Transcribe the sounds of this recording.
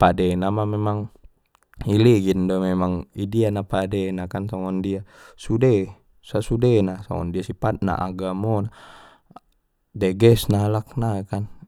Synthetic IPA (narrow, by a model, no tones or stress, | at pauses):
padɛnamamɛmaŋ | iliɡindɔmɛmaŋidianapadɛnakansaŋɔndia | sudɛ | sasudɛnasa̰ŋɔ̰ndiasipat̪̚na̰ʔa̰ɡamɔna | dɛɡɛsnalak̚naekan